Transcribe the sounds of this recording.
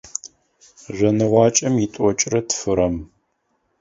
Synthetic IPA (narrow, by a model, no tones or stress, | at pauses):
ʒʷɐnɨʁʷɑːt͡ʃʼɐmjitʷʼɔt͡ʃʼrɐtʰfɨɾɐm